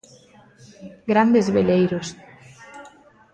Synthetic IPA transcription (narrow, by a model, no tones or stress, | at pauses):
ɡɾand̪ezβelejɾos